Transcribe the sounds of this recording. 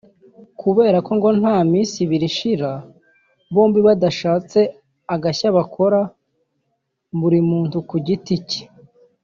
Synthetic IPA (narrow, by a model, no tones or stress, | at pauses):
kʰuβe̞ːɾako̞ŋɡo̞n̥haːmiːsiβiɾiʃiɾa | βo̞ːmbiβadaʃaːt͡se̞ | aɡaçaβakʰo̞ɾa | buɾimuːntukuɟitici̥